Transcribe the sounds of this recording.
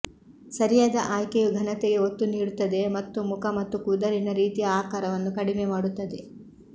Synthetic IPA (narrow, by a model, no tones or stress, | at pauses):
sɐɾijaːd̪ɐʔaːjkejuɡʱɐnɐt̪ɛɡe̞ot̪ːuniːɽut̪ːɐd̪e̞mɐt̪ːumukʰɐmɐt̪ːukuːd̪ɐɾinɐɾiːt̪ijɐaːkaːɾɐʋɐnːukɐɽimemaːɽut̪ːɐd̪e̞